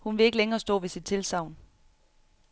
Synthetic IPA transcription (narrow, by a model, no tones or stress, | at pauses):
hunʋe̝e̝ɡ̥əleŋɐːsd̥ɔ̰̽ːʋe̝sid̥̚t͡sʰe̝lsɑ̈ʊ̰n